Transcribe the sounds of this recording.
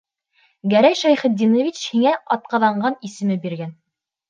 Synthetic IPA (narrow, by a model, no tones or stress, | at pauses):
ɡæɾæjʃæjχɘ̆t̪̚d̪ʲːinovʲit͡ɕhiŋæɑt̪̚qɑðɑɴɢɑnisɘ̆mɘbiɾɡæn